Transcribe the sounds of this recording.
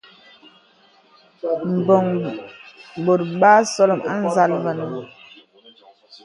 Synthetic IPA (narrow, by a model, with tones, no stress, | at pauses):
m̩˨bɔ˨ŋ | bo˨t̚ɓa˦sɔ˦lɔ˨ma˦n˦za˦lvə˨n˨ə˨